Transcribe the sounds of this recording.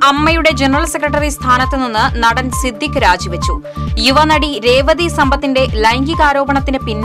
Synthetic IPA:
ɐmːɐjuɽe̞d͡ʑenɐrɐlsekrɐʈːɐrist̪ʰaːnɐt̪ːeninːɨnɐɽɐnsid̪ʱːjikːɨɾaːd͡ʑiʋɐt͡ɕːu | juʋɐnɐɽiɾe̞ːʋɐd̪isɐmbɐt̪ːinde̞lɐjŋɡikaːɾo̞ːbɐɳɐt̪ːinɨpinː

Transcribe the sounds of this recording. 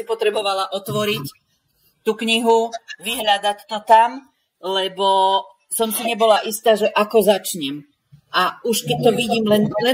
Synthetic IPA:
ipɔt̪ɾɛbɔʋalaʔɔt̪ʋɔɾic | t̪ukɲiɦuʋiɦɾad̪act̪ɔt̪am | lɛbɔ | sɔmsiɲɛbɔlaʔist̪aːʒɛʔakɔzat͡ʃɲɛm | ʔauʃkɛc̚t̪ɔʋiɟiːmlɛnlɛ

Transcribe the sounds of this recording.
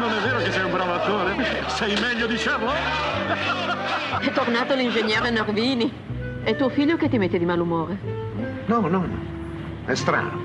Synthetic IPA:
nonɛvːeːɾokesːɛjumbɾavat̪oːɾe | sɛjmɛʎːod̪it͡ʃaːmo | ɛt̪ornaːt̪oalind͡ʒeɲːɛːɾenorviːni | ɛt̪ːuːofiʎːoket̪ːimet̪ːed̪imalumoːɾe | nɔnɔnɔ̰ | ɛ̰st̪ɾa̰ːno

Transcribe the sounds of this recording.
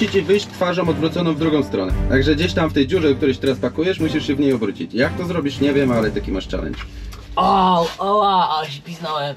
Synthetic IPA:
it͡ɕivɘjɕt͡ɕt̪faʐɔ̃mɔd̪bɾut̪sɔnɔ̃w̃vd̪ɾuɡɔ̃w̃st̪ɾɔnɛ̰t̪aɡʐɛd͡ʑeɕt̪amft̪ɛjd͡ʑuʐɛd̪k̚t̪uɾɛɕt̪ɛɾaspakujɛʂmuɕiʂɕɛvɲejɔbɾut͡ɕḭt͡ɕjak̚t̪ɔzɾɔbʲiʂɲɛvʲjɛmalɛt̪akʲimaʂt͡ʂa̰lɛ̰ɲʲt͡ʂ | ɔwɔwaaɛɕɛpʲiznɔwɛm

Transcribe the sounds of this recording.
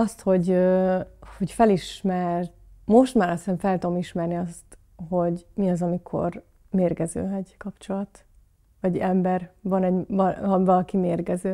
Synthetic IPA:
ɒst̪ho̞ɟøho̞cfɛliʃmɛrt̪mo̞ʃt̪maːɾɒseɱfɛlt̪ud̪omiʃmɛrniɒst̪ | ɦo̞ɟmiɒzɒmikʰo̞̰r | meːrɡɛzø̰ːɛɟkɒpt͡ʃo̞lɒt̪ | vɒɟɛmbɛrvɒnɛɟɒɒvɒlɒkimeːrɡɛzøː

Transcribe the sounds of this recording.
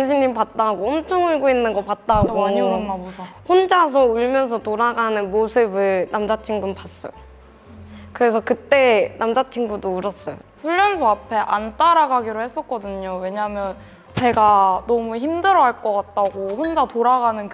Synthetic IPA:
nɕʰinːimpat̚t͈aɦaɡoʌmt͡ɕʰʌŋuɭɡoinːɯnɡʌp͈at̚t͈aɦaɡoaɲioɸond͡ʑas̬ʰʌuɭmjʌns̬ʰʌtoɾaɡanɯnmosʰɯbɯɭnamd͡ʑat͡ɕʰiŋɡɯmpas͈ʌ̰jo | kɯɾe̞sʰʌkɯt͈e̞nʔamd͡ʑat͡ɕʰiŋɡudouɾʌs͈ʌjoɸuʎːʌnsʰoapʰe̞ʔant͈aɾaɡaɡiɾohe̞s͈ʌk͈ʌdɯɲowe̞ɲaɦmjʌn | t͡ɕe̞ɡanʌmuçimdɯɾʌɦaɭk͈ʌk͈at̚t͈aɡoɸond͡ʑatoɾaɡanɯnk

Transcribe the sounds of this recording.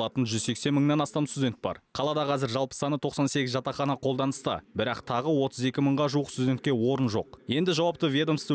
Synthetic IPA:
lˠɑt̪ənʒʏzse̞kse̞nməɴnɑnɑst̪ɑmst̪ud̪ʲe̞nt̪̚bɑ̰ɾqʰɑlˠɑd̪ɑqʰɑzɪɾʒɑlˠpə̥sɑnət̪ʰo̞qsɑnse̞kʲɪzʒɑt̪ɑχɑnɑqʰo̞lˠd̪ɑnəst̪ə̰bɪɾɑqt̪ʰɑʁəwo̞t̪ʰəze̞kʲɪməɴʁɑʒuwəqst̪udʲe̞nt̪kʲe̞wo̞ɾənʒo̞̰q̚je̞nd̪ɪʒɑwɑp̚t̪əvʲje̞d̪omst̪

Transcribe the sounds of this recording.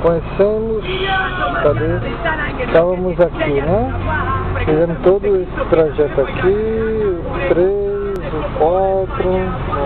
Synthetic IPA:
kõɲesẽmʊst̪adeɾ | t̪avɐ̃mʊzakinɛ | fivẽnʊt̪od̪ʊesɪ̥t̪ɾaʒɛt̪ʊaki | t̪ɾe | z | kwat̪ɾʊ

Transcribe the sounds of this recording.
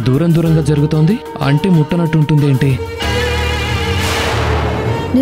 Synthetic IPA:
d̪uːɾɐmd̪uːɾɐŋɡaːd͡ʒɐɾuɡut̪oːnd̪i | ɐ̰ɳʈe̞ːmuʈːɐnɐʈːuɳʈund̪e̞ːɳʈi | ni

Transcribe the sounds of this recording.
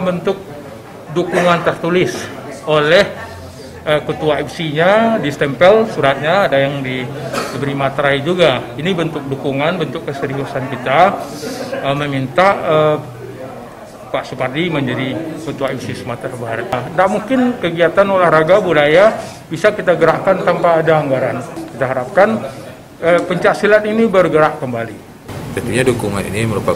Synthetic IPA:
bənt̪ʊk̚ | dukuŋant̪ərt̪ulɪsolɛh | əkət̪uaipsiɲadist̪ɛmpɛlsuɾat̪̚ɲaːdajaŋdiəbəɾimat̪ɾaid͡ʒuɡainibənt̪ʊk̚dukuŋanbənt̪ʊkːəsəɾiɦusankit̪a | əməmint̪aə | paʔsupardiməɲd͡ʒadikət̪uaisɪsmat̪ɾabaɦaɾat̪̚ndaʔmuŋkɪnkəɡiat̪anolahraɡabulaja | bisakit̪aɡəɾaʔkant̪ampaːdaːŋɡaɾankit̪aɦaɾap̚kan | əpəɲt͡ʃasilaninibərɡəɾaʔkəmbali | t̪ənt̪uɲadukuŋa̰nḭniməɾupa

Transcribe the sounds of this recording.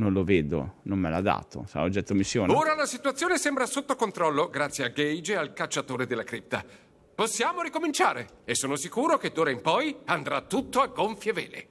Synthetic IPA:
nonloveːd̪o̰nomːela̰d̪a̰ːt̪o̰sa̰od͡ʒːɛt̪ːomisːjoːnoːɾalasit̪uat̪sːjoːnesembɾasot̪ːokont̪ɾɔlːoɡɾat̪sjeaɡejd͡ʒealkalt͡ʃːat̪oːɾed̪elːakɾip̚t̪a | posːjaːmoɾikomint͡ʃaːɾe | esːoːnosikuːɾoked̪oːɾaimpɔjand̪ɾat̪ːut̪ːoaɡːoɱfjevḛːlḛ

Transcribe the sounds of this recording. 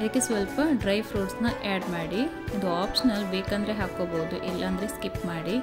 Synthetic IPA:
ɐd̪ɐkːesʋɐlpɐɖɾɐjʋpʰɾoːɖsnɐʔaːɖmaːɽi | ɐnd̪uaːpʂɐnɐlbeːkaːnd̪ɾeɦaːkoːboːd̪uʔilːʔɐːnd̪ɾeskipmaːɽi

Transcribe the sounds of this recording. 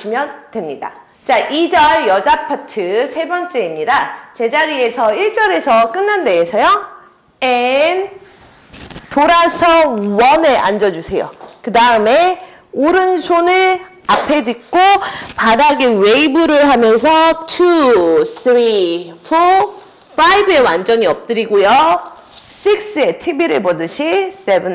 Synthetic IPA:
imjʌntwe̞mɲida̰ | t͡ɕaʔid͡ʑʌɭjʌd͡ʑapʰatʰɯsʰe̞bʌnt͡ɕ͈e̞imɲidat͡ɕe̞d͡ʑaɾie̞sʰʌiɭt͡ɕ͈ʌɾe̞sʰʌk͈ɯnːande̞ːsʰʌjo | en | toɾasʰʌuwʌneʔa̰nd͡ʑʌd͡ʑusʰe̞jo̰kɯdaɯme̞ | oɾɯnsʰonɯɭ | apʰe̞d͡ʑik̚k͈opadaɡe̞weibuɾɯɭɦamjʌns̬ʰʌtʰusʰɯɾipʰo | pʰaibɯe̞wand͡ʑʌɲiʌp̚t͈ɯɾiɡojo | ɕ͈ʰik̚s͈ɯe̞tʰibiɾɯɭpʌdɯɕʰis͈ebɯn

